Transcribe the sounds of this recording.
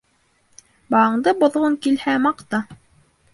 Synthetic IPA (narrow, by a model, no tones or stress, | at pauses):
bɑɑɴd̪ɤbŏðʁoŋkilhæmɑqt̪ɑ